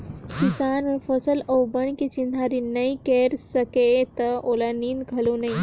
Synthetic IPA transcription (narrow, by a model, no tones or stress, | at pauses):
kisaːnɔɾpʰɔsəlɔwbəɳ̃ket͡ʃind̪ʱaɾinəjkeɾsəket̪əolanind̪ɡʱɐlunəĩ